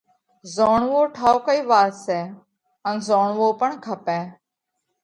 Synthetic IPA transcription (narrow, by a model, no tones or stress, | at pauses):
zoːɳʋoːʈʰaːoːkəiːʋaːsɛː | ənzoːɳʋoːpəɳkʰəpɛ̃ː